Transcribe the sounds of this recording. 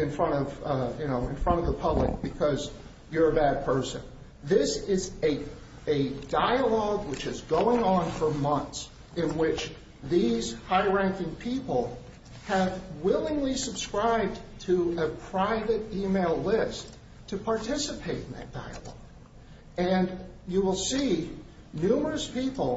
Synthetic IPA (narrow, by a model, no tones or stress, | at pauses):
ɨ̃nfɹʌ̃ɾ̃ʌvjɨñoʊɨ̃nfɹʌ̃ɾ̃ʌvðəpʰʌblək̚b̥ɨkʰʌz | jə˞ɨbæd̚pʰɜ˞sɨ̰̃n | ðɪsɪzɨ | ɨdaɪəlɔɡwɨt͡ʃɨzɡoʊɪ̃ŋə̃nfə˞mʌ̃nθs | ɨ̃nwɪt͡ʃ | ðiz̥haɪɹæ̃ŋkɪ̃ŋpʰipl̩ˠ | ɨvwɪlˠɪ̃ŋlisɨb̥skɹaɪb̚tʰɨɨpʰɹ̥aɪvɨɾimeɪlˠlɪstʰ | ɨpʰɑɹtʰɪsəpʰeɪɾɨ̃n̩ðɨ̰t̚d̥a̰ɪə̰lɔ̰ɡ̥ | ɨ̃njɨwəlˠsi | nʉmə˞ɨspʰipl̩ˠ